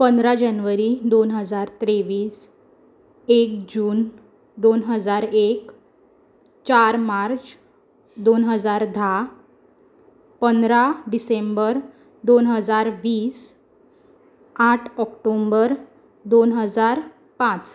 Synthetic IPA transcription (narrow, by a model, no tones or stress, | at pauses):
pənd̪ɾad͡ʑənʋəɾid̪onɦəd͡zaɾt̪ɾeʋiːs | ekd͡ʑuːn | d̪onɦəd͡zaɾek | t͡ɕaɾmaɾt͡s | d̪onɦəd͡zaɾd̪ʱa | pənd̪ɾaɖisembəɾ | d̪onɦəd͡zaɾʋiːs | aʈʰɔkʈombəɾ | d̪onɦəd͡zaɾ | pãt͡s